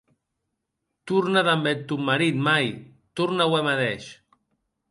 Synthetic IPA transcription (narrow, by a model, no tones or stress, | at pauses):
t̪uɾnaðambet̪ːumːaɾit̪maj | t̪uɾnawemaðɛʃ